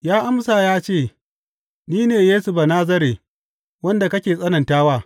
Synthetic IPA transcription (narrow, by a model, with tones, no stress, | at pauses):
jaː˦ʔa˦msa˨jaː˦t͡ʃeː˦˨ | niː˦neː˨jeː˦su˨ba˨naː˦zɐ˦ɾeː˨ | wɐ˦nda˨kɐ˦kʲeː˨sʼɐ˦nɐ˨ntaː˦waː˦˨